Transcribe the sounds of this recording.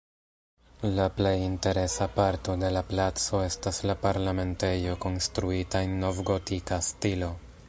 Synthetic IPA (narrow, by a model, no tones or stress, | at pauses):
laple̞jinte̞ɾe̞sapaɾto̞de̞laplat͡so̞e̞staslapaɾlame̞nte̞jo̞ko̞nstɾuitaenːo̞vɡo̞tikastilo̞